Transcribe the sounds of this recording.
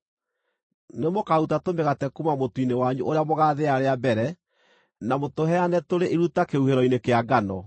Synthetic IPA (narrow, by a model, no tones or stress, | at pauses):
nemokautatomeɣatɛkumamotuinewaɲṵʔoɾeamoɣaːðeaɾeabɛɾɛ | namotoɦɛanɛtoɾeʔeɾutakeuheɾɔinekeaɡanɔ